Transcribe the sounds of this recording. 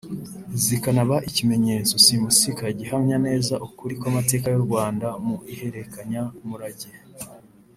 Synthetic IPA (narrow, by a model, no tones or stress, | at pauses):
zikanaβaʔicime̞ɲe̞ːt͡so̞simusikaɟihamɲane̞ːzaʔukuɾikwamate̞ːkajuɾɡwaːndamuʔihe̞ɾe̞kaɲamuɾaɟe